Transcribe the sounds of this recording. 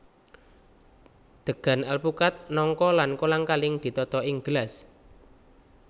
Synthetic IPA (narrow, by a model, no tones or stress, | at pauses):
d̪̥ə̤ɡ̥a̤nalpukat̪̚nɔŋkɔlankolaŋkalɪŋd̪̥i̤t̪ɔt̪ɔɪŋɡəlas